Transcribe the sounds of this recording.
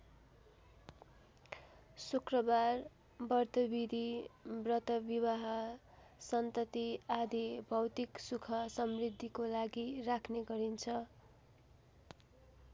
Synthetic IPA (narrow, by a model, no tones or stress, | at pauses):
sukrʌbar | bʌrt̪ʌbid̪ʱibrʌt̪ʌbibaɦʌ | sʌnt̪ʌt̪iad̪ʱibʱʌwt̪iksukʰʌsʌmrid̪ʱːikolaɡirakʰneɡʌɾint͡sʰʌ